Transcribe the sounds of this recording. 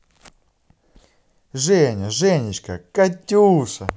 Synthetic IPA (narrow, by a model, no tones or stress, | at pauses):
ʐɛnʲɐʐɛnʲɪt͡ɕkɐkɐtʲːusɐ